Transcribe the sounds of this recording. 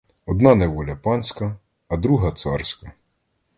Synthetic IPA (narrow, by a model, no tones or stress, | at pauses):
ɔd̪nɑnɛʋɔlʲɐpɑnsʲkɐː | d̪ɾuɦɐt̪sɑrsʲkɐ